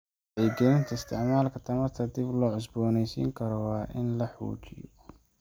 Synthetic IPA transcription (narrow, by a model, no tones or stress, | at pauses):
ʔɛjɡɛjɪnt̪ʰɐɪst̪ʰɪʕmaːlkʰɐt̪ʰɐmɐrt̪ʰɐd̪ɪblɔːʕʊs̬bɔːnɛjsḭːŋkʰɐɾɔwɑːʔɪnlɐħṵːt͡ʃɪ̰jɔ̰